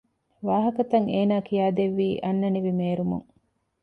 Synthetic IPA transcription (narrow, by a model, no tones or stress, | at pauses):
ʋaːɦɐkɐt̪ɐŋeːnaːkijaːd̪eʋːiːʔɐnːɐniʋimeːɾumṵŋ